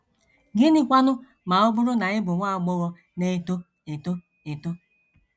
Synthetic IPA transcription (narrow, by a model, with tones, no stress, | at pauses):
ɡɪ˦ni˦kʷa˦nʊ˦ | ma˨ʊ˦bʊ˦ɾʊ˦na˨ɲɪ˦bʊ˨ŋʷa˦˨ɡ͡bɔ˦ɣɔ˦ | ne˦to˦ | e˨to˦ | e˨to˦